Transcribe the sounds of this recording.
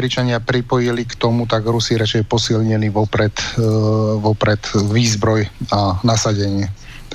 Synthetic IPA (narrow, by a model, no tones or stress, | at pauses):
ɾit͡ʃaɲɪapɾipɔjilikt̪ɔmut̪aɡɾusiɾat͡ʃɛjɛpɔsilɲɛniʋɔpɾɛt̪ | ʋɔpɾɛt̪ʋiːzbɾɔjanasaɟɛɲɪɛ